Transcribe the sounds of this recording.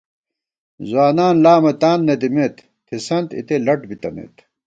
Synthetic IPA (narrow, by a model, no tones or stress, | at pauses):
zwaːnaːnlaːmɐt̪aːnːet̪imeːt̪ | t̪ʰesɐnt̪ḭt̪elɐʈbit̪ɐnḛːt̪